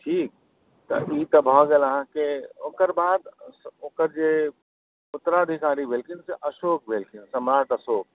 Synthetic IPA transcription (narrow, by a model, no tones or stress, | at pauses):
ʈʰiːk̚ | t̪ɐ̰ʔiːt̪ɐbʱɔːɡeləɦãkeoːkəɾbaːd̪oːkəɾd͡ʒe | ʊt̪ːɾaəd̪ʱikaːɾibʱeːlkʰɪnseʔɐʃoːk̚bʱeːlkʰɪnsɐmɾaːʈəsoːk̚